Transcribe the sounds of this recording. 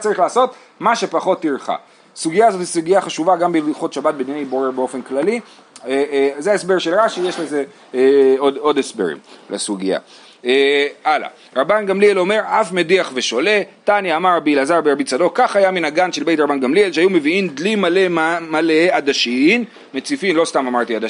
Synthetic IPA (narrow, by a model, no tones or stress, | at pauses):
t͡saʁiχlaːso̞t̪ | maʃepaχo̞t̪ːiʁχa̰ | suɡijaːzo̞t̪hisuɡiaχaʃuvaɡambeliχot̪ʃabat̪̚bennejboʁebeo̞fe̞nklali | zeaesbe̞ʁʃelʁaʃijeʃleze | odo̞desbḛʁḭmlḛsuɡia̰ | eʔala̰ | ʁabanɡamlielo̞me̞ʁafme̞diaχveʃo̞le̞tanjaːmaʁbiilazaʁbeabit͡sado̞kaχajaminaɡanʃelbejt̪ʁabanɡamlielʃeajumeviimd̪limale̞malead̪aʃiim | met͡sifimlo̞st̪amamaʁt̪iad̪a